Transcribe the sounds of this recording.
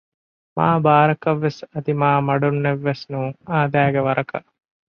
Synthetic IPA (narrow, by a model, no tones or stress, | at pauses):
ma̰ːbaːɾɐkɐʋːesɐd̪imaːmɐɖunːeʋːesnuːŋaːd̪æːɡeʋɐɾʔɐkɐ̰ʔ